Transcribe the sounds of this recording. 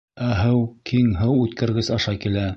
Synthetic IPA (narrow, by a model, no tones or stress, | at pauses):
æɦɤwkʰiŋɦɤwʉt̪kɘ̆ɾɡɘzɑʃɑkilæ